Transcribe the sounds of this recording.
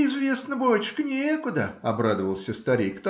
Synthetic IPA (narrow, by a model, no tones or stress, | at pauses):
ɪzvʲe̞snəbojʲt͡ɕkənʲekʊd̪əɐbɾad̪əvəlˠsʲəst̪ɐɾʲijkt̪